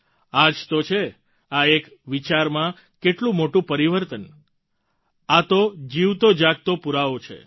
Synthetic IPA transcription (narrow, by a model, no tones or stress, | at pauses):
ad͡ʒt̪ot͡ʃʰe | aek | ʋit͡ʃaɾmã | keʈlũmoʈũpəɾiʋəɾt̪ən | at̪od͡ʒiʋt̪od͡ʒaɡ̚t̪opuɾaʋot͡ʃʰḛ